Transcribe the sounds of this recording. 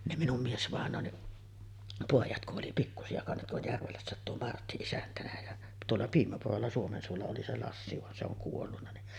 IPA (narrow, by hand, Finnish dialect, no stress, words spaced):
ne minum miesʋɑˑenˑoːnːiʔ poˑijɑt kuʔ ʔoli pikːusiɑ kɑnsɑt tuo jærʋelæsːæˑet tuo mɑrtːi isæntænæ jæ tuolːɑ piːmæpurolːɑ suomensuolːɑ oli se lɑsːi ʋɑn se oŋ kuolːunːɑ ni